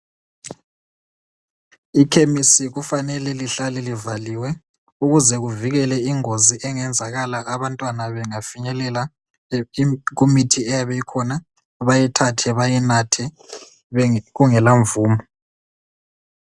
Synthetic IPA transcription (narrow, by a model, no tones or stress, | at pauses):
ikʰemisiɣufanɛlɛliɬalɛlivaliwɛ | uɣuzɛɣuviɣɛlɛiŋoziʔɛŋɛnd͡zʱaɣalaʔaβantʼwanaβɛŋafiɲɛlɛla | ɣumitʰiɛjaβɛjikʰɔna | βajɛtʰatʰɛβajɛnatʰɛ | ɣuŋɛlaɱvuːmɔ